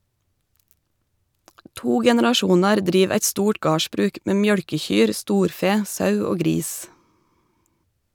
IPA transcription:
ˈtuː ɡɛnɛɾɑˈʃuːnɑɾ ˈdɾiːʋ ˈæɪt ˈstuːʈ ˈɡɑːʃbɾʉːk ˈmeː ˈmjœɽkəˌçyːɾ ˈstuːɾˌfeː ˈsɑʉ ˈoː ˈɡɾiːs

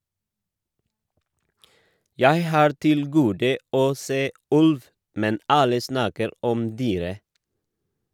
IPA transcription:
ˈjæɪ ˈhɑːɾ ˈtɪl ˈɡuːdə ˈoː ˈseː ˈʉlʋ ˈmɛn ˈɑlə ˈsnɑːkəɾ ˈɔm ˈdyːɾə

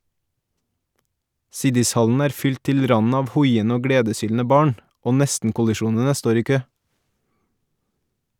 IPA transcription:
ˈsɪdɪsˌhɑln̩ ˈæːɾ ˈfʏlt ˈtɪl ˈɾɑnn̩ ˈɑːʋ ˈhɔʏənə ˈoː ˈɡɽeːdəˌsyːln̩ə ˈbɑːɳ ˈoː ˈnɛstn̩kʊlɪˌʃuːnənə ˈstoːɾ ˈiː ˈkøː

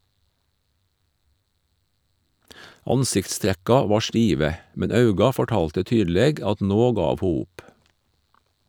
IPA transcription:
ˈɑnsɪktˌstɾækɑ ˈʋɑː ˈʃʈiːʋə ˈmɛn ˈɑʉɡɑ fɔˈʈɑːltə ˈtyːdl̩ˌeːɡ ˈɑt ˈnoː ˈɡɑːʋ ˈhuː ˈʊp

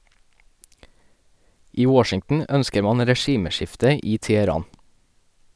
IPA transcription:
ˈiː ˈwɔʃɪŋtn̩ ˈœnskə ˈmɑn ɾɛˈʃiːməˌʃɪftə ˈiː tɛɛˈɾɑːn

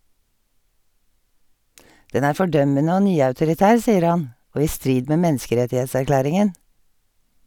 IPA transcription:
ˈdɛn ˈæːɹ ˌfɔˈɖœmənə ˈoː ˈnyːɑʉtʊɾɪˌtæːɹ ˈsiːəɾ ˈhɑn ˈʔoː ˈiː ˈstɹiːd ˈmeː ˈmɛnskəˌɾɛtɪhɛtsæɾˌklæːɾɪŋən

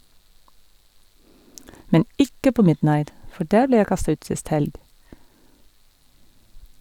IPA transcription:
ˈmɛn ˈɪkə ˈpoː ˈmɪdˌnɑɪt ˈfɔ ˈɖæːɹ ˈbleː ˈjæɪ ˈkɑstɑ ˈʉːt ˈsɪst ˈhɛlɡ

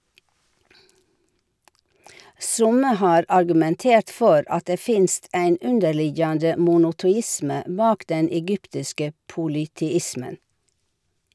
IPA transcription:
ˈsʊmə ˈhɑːɾ ɑɾɡʉmɛnˈteːɾt ˈfɔɾ ˈɑt ˈdeː ˈfɪnst ˈæɪn ˈʉndəɾˌlɪjɑndə mʊnʊtʊˈɪsmə ˈbɑːk ˈdɛn ɛˈɡʏptɪskə puːlʏtɛˈɪsmən

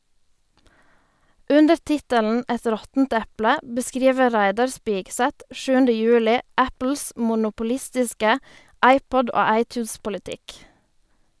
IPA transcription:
ˈʉndəɾ ˈtɪtəln̩ ˈɛt ˈɾɔtn̩t ˈɛplə bəˈskɾiːʋə ˈʁæɪdɑʁ ˈspɪɡsɛt ˈʃʉːəndə ˈjʉːlɪ ˈæpl̩s mʊnʊpʊˈlɪstɪskə ˈɑɪˌpɔd ˈoː ˈɑɪˌtjʉːspʊlɪˌtɪk

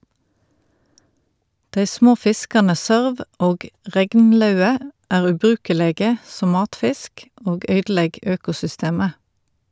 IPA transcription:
ˈdeɪ ˈsmoː ˈfɪskɑnə ˈsøːʁʋ ˈʔoːɡ ˈʁɛɡnˌlœʉə ˈʔæːʁ ʉːˈbʁʉːkəleːɡə ˈsɔm ˈmɑːtˌfɪsk ˈoːɡ ˈœʏdˌlɛɡ ˈøːkʊsʏˌsteːmə

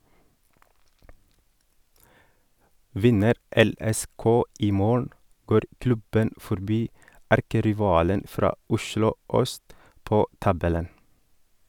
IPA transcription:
ˈʋɪnəɾ ˌɛˌlɛˈskoː ˈiː ˈmoːɳ̩ ˈɡoːɾ ˈklʉbən fɔɾˈbiː ˈæɾkəɾɪˌʋɑːlən ˈfɾɑː ˈʊʃlʊ ˈœst ˈpoː ˈtɑbɛlən

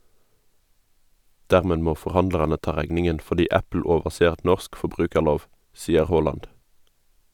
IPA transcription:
ˈdæːʁmeː ˈmoː fɔʁˈhɑndlɑʁɑnə ˈtɑː ˈʁæɡnɪŋən fɔʁˈdiː ˈæpl̩ ˈoːʋəseːʁ ˈnɔsk fɔˈbʁʉːkəʁˌloːʋ ˈsiːəʁ ˈhoːlɑnd

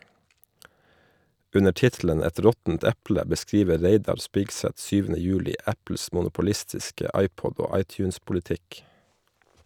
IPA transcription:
ˈʉnə ˈʈɪtlən ˈɛt ˈɾɔtn̩t ˈɛplə bəˈskɾiːʋə ˈɾeɪdɑɾ ˈspɪksɛt ˈsyːʋənə ˈjʉːlɪ ˈæpl̩s mʊnʊpʊˈlɪstɪskə ˈɑɪˌpɔd ˈoː ˈɑɪˌtjʉːnspʊlɪˌtɪk

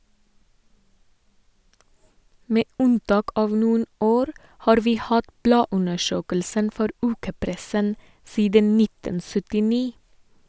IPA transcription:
ˈmeː ˈʉnˌtɑːk ˈɑːʋ ˈnuːən ˈoːɾ ˈhɑːɾ ˈʋiː ˈhɑt ˈblɑːˌʉnəˌʃøːkəlsən ˈfɔɾ ˈʉːkəˌpɾɛsən ˈsiːdən ˈnɪtən sʏtɪˈniː

